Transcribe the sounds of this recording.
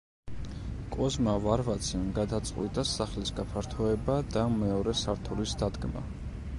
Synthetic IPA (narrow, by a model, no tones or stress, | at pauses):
kʼɔzmavaɾvat̪sʰimɡad̪at̪sʼqʼwit̪ʼasaχlisɡapʰaɾt̪ʰɔɛbad̪amɛɔɾɛsaɾt̪ʰulisd̪ad̪ɡma̰